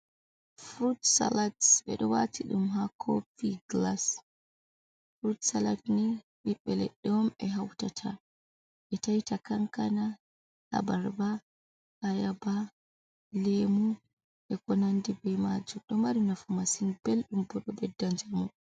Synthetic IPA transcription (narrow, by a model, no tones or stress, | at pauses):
fɾutsa̰latsɓɛ̰ɗɔwatiɗumɦakʰopiɡlas | fɾutsalatnɛ | ʔɗiɓːɛlɛ̰ɗːɛwɔmɛɦawtatʰa | ɓɛtajtakaŋkana | ha̰baɾba | hajaba | lemu | ʔɛkɔnandibɛmad͡ʒumɗɔmaɾinafumasinbelɗumbɔɗɔbɛdːaɲd͡ʒamu